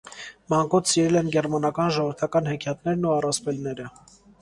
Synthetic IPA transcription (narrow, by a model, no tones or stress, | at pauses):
mɑŋkɔt̪ʰsiɾɛlɛnɡɛrmɑnɑkɑnʒɔvəɾt̪ʰɑkɑnhɛkʰjɑt̪nɛɾnuɑrɑspɛlnɛɾə